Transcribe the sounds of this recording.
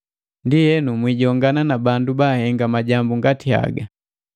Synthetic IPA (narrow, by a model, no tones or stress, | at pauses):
ndijɛnumwiɟɔŋɡananabandubaːhɛŋɡamaɟambuŋɡatia̰ɡa